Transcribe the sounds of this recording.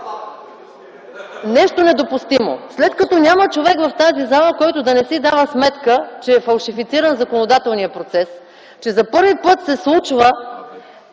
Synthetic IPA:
nɛʃt̪onɛd̪opust̪imo̰slɛt̪kɐt̪ɔnʲamət͡ʃovɛkvɐft̪azizalˠəkɔjt̪ʊd̪ɐnɛsid̪avəsmɛt̪kət͡ʃɛːfɐlˠʃifit̪siɾənzɐkonod̪at̪ɛlˠnijəpɾot̪sɛs | t͡ʃɛzɐpɤɾvipɤt̪sɛslˠut͡ʃvə

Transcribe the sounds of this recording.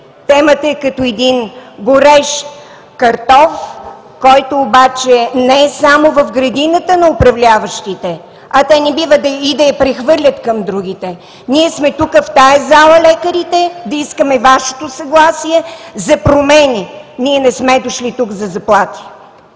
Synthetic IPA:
t̪ɛmət̪əɛkɐt̪ɔɛd̪inɡoɾɛʃ | kɐɾt̪ɔf | kɔjt̪oːbat͡ʃɛnɛɛsamovɐfɡɾɐd̪inət̪ənɐopɾɐvlʲavəʃt̪it̪ɛ | ɐt̪ɛnɛbivəd̪ɐid̪ɐjɐpɾɛxvɤɾlʲət̪kɐmd̪ɾuɡit̪ɛ | niɛsmɛt̪ukəft̪ajɛzalˠəlɛkəɾit̪ɛd̪ɐiskəmɛvaʃe̥t̪osɐɡlˠasiɛzɐpɾomɛniniɛnɛsmɛd̪oʃlit̪ukzɐzɐplˠat̪i̥

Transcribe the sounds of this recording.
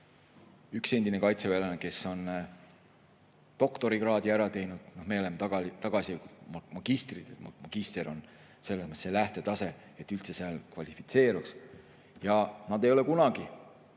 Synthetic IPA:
ykse̞nd̪ine̞kɑjt̪se̞veleneke̞so̞n | t̪o̞kt̪o̞ɾiɡrɑːd̪iæɾɑt̪e̞jnud̪̥no̞hme̞olemːet̪ɑɡ̥ɑit̪ɑɡ̥ɑsiku̥mɑɡ̥ist̪rid̪̥et̪mmɑɡ̥ist̪eɾo̞n | se̞lːesmt̪selæht̪e̞t̪ɑse̞ | et̪ːˑylt̪se̞seɑlkvɑlʲifit̪se̞ːɾuks | jɑnɑd̪e̞jo̞le̞kunɑɡ̥i

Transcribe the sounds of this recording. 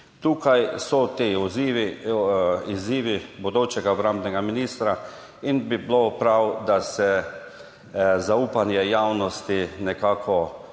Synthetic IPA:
t̪uːkajsɔt̪eːɔziʋi | iziːʋibɔd̪oːt͡ʃɛɡaɔbɾamd̪nɛɡaminist̪ɾa | inbiblopɾawd̪asɛ | zauːpanjɛjawnɔst̪inɛkaːkʰɔ

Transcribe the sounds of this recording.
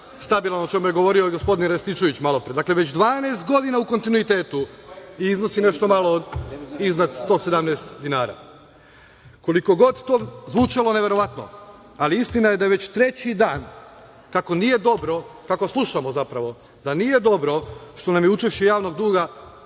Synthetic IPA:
st̪abilˠanot͡ʃe̞mujeɡo̞ʋo̞ːɾio̞ɡo̞spo̞d̪inɾesit͡ʃo̞ʋit͡ɕmalopɾied̪akle̞ʋe̞t͡ɕd̪ʋaːneːst̪ɡo̞d̪inauko̞nt̪inuit̪e̞ːt̪uiizno̞sine̞ʃt̪o̞malod̪iznad̪st̪o̞ːsed̪amnest̪d̪inaːɾa̰ː | ko̞liko̞ɡo̞d̪t̪oːzʋut͡ʃalo̞neʋe̞ɾo̞ʋat̪no̞̰ | aliist̪inajed̪ajeʋe̞t͡ɕt̪ɾe̞t͡ɕid̪aːn | kako̞nije̞d̪o̞bɾo̞kako̞slˠuʃamozapɾaʋo̞ | d̪aniːje̞d̪o̞bɾoʃt̪o̞namjeut͡ʃeʃt͡ɕejaːʋno̞ɡ̚d̪uːɡa

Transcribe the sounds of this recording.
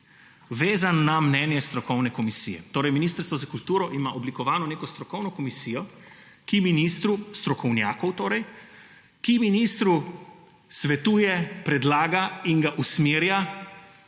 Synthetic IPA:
ʋeːzanːamnɛːnjɛst̪ɾɔkɔwnɛkɔmisḭjɛ̰t̪oːɾɛjminiːst̪əɾst̪ʋɔzakult̪uːɾɔʔimaʔoblikɔʋaːnɔneːkɔst̪ɾɔkɔwnɔkɔmisiːjɔ | kiminiːst̪ɾust̪ɾɔkɔwnjaːkɔwt̪oːɾɛj | kiminiːst̪ɾu | sʋɛt̪uːjɛpɾɛd̪laːɡaiŋɡaʔusmiːɾja

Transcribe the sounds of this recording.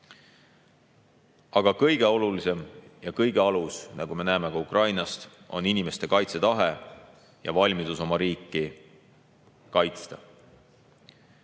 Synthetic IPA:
ɑɡ̥ɑkɤjɡ̥e̞o̞lulise̞mjɑkɤjɡ̥e̞ɑlusnɑɡ̥ume̞næːme̞kɑukrɑjnɑst̪ | o̞̰ninime̞st̪e̞kɑjt̪se̞t̪ɑɦe | jɑ̰vɑlʲmid̪̥uso̞mɑɾiːkˑːi | kɑjt̪st̪ɑ

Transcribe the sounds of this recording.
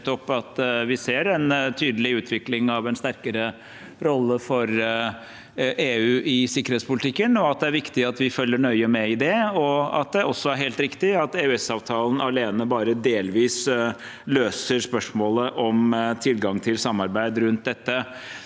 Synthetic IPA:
t̪ɔpːɑt̪ʋɪseːɾɛnt̪ʰyːd̪əlɪʉːt̪ʰʋɪklɪŋɑʋɛnst̪æɾkəɾə | ɾɔlːəfɔɾ | ʔeːʉːʔɪsɪkːəɾeːt̪spʊlɪt̪ʰɪkːənɔɑt̪̚d̪ɛæɾʋɪkt̪ɪɑt̪ʋɪfœlːəɳœʏəmɛɪd̪ɛɔɑ̰t̪̚d̪ɛʔɔsːɔæɾɦeːlt̪ɾɪkt̪ɪɑt̪eːʉɛsɑːʋt̪ʰɑːlˠn̩ʔɑleːnəbɑːɾəd̪eːlʋiːs | løːsəɾʂpœʂmoːləʔɔmt̪ʰɪlɡɑŋt̪ʰɪlsɑmːɑɾbæɪd̪ɾʉnt̪̚d̪ɛt̪ːə

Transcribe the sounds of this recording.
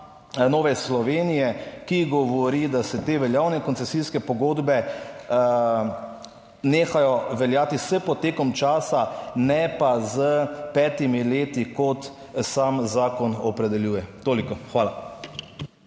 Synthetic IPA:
noːʋɛslɔʋeːnijɛkiɡɔʋɔɾid̪asɛt̪eːʋɛljaːwnɛkɔnt̪sɛsiskɛpɔɡoːd̪bɛ | neːxajɔʋɛljaːt̪isɛpɔt̪ːeːkɔmt͡ʃaːsanɛpazəpɛt̪imileːt̪ikɔt̪ | samzaːkɔnɔpɾɛd̪ɛljuːjɛt̪oːlikɔxʋaːla

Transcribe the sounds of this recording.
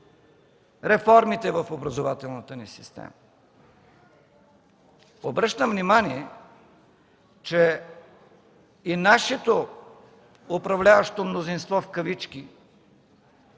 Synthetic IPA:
ɾɛfɔɾmit̪ɛvəfobɾəzovat̪ɛlˠnət̪ənisist̪ɛ̰mə | obɾɤʃt̪əmvnimaniɛ | t͡ʃɛ | inaʃɛt̪o | ʊpɾɐvlʲavəʃt̪omnozinst̪vɔfkəvit͡ʃki

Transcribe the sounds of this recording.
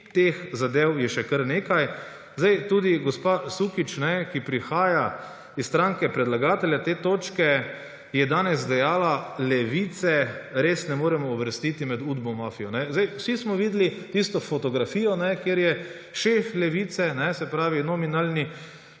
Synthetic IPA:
t̪exzad̪eːwjɛʃɛkəɾneːkaj | zd̪ajt̪uːd̪iɡospasukit͡ʃnɛkipɾixaːja | issːt̪ɾaŋkɛpɾɛd̪laɡaːt̪ɛljat̪eːt̪oːt͡ʃkɛ | jɛd̪aːnɛs̬d̪ɛjaːlalɛʋit̪sɛɾeːsnɛmoːɾɛmɔːʋəɾst̪iːt̪imɛd̪ud̪bɔmaːfijɔnɛzd̪ajwsismɔʋiːd̪lit̪ist̪ɔfɔt̪ɔɡɾafiːjɔnɛkjeɾjɛ | ʃeflɛʋiːt̪sɛnɛsɛpɾaːʋinɔminalni

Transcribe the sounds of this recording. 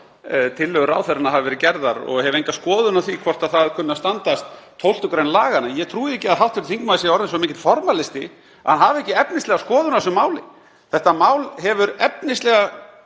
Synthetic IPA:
t̪ʰɪlːœːɣʏɾa̰ːwθɛɾɪnahavɪvɛɾɪcɛɾðaɾɔ̰ɣhɛvʏejŋkaskɔːðʏnawθikʰvɔr̥t̪aðθaðkʰʏnːast̪ant̪ast̪ʰːowlt̪ʏkɾejnlaːɣanajɛɣt̪ʰɾuːðɪɛhcɪaðɦawft̪fɛɾt̪θiŋkmawðɪsɛɔɾðɪns̬ɔmẽcːɪ̥t̪fɔɾmalɪst̪ɪ | hanɦavɛhcɪɛpnɪst̪lɛɣaskɔːðʏnasʏmaːwlɪ | θɛht̪amaːwlhɛvʏɾɛpnɪst̪lɛɣa

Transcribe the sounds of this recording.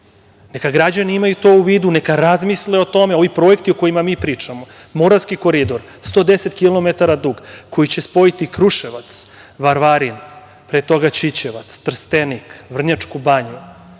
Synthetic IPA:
nekaɡɾad͡ʑaniimajut̪o̞uʋiːd̪unekaɾazmisleo̞t̪o̞me̞o̞ʋipɾo̞ekt̪ioko̞jimamiːpɾiːt͡ʂamo | moɾaskiko̞ɾid̪o̞ɾ | st̪o̞d̪eset̪kilˠo̞met̪aɾad̪uɡko̞jit͡ɕespo̞it̪ikɾuʃeʋat̪s | ʋaɾʋaɾin | pɾet̪o̞ɡat͡ɕit͡ɕeʋat̪st̪r̩st̪enikʋr̩ɲat͡ʂkubaɲu

